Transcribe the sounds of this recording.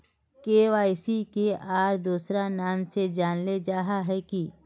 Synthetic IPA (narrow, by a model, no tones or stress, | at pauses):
keːʋaːɪsikeʔaːɾd̪uːsɾanaːmsed͡ʒaːnled͡ʒaːɦaɦɛki